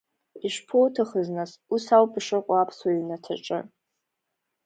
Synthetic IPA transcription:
iʃpʰowtʰaχəznas | usawpʼʂɨqʷʼaapʰswaɥnatʰa̰ʈ͡ʂʼɨ̰

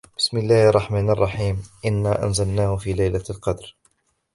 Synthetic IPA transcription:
b̥ɪ̥smɪlːaːhʔɑrˤːɑħmaːnɑrˤːɑħiːmʔɪnːaːʔa̰nzalnaːhʊfiːlajlalqɑd̪ɾ

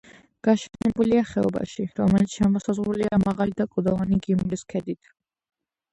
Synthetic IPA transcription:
ɡ̥aʃɛnɛbuliaχɛɔba̰ʃiɾɔmɛlit̪sʰʃɛmɔsazʁɾuliamaʁalid̪akʼɔd̪ɔvaniɡimɾiskʰɛd̪it̪ʰ

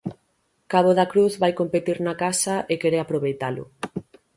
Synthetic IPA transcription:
kaβ̞oðakɾuθβajkompet̪iɾnakasaʔekeɾeapɾoβejt̪alʊ̰

